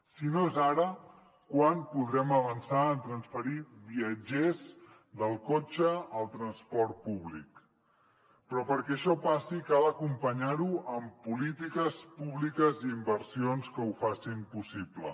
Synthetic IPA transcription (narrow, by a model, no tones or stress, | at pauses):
sinoezaɾə | kwanpuðɾɛməβənsaənt̪ɾənsfəɾiβiəd͡ʒez | ðəlˠkot͡ʃəːlˠt̪ɾənspɔɾt̪̚puβlḭk | pɾɔpəɾkɛʃɔpasikalˠəkumpəɲaɾuəmpulit̪ikəspuβlikəziːmbəɾsionskəufasimpusiplə̰